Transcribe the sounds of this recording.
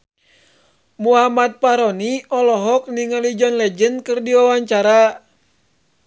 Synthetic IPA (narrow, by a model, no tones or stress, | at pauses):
muɦamat̪̚paɾɔniɔlɔɦɔk̚niŋalid͡ʒɔnlɛd͡ʒənkɨrdiwawaɲt͡ʃaɾa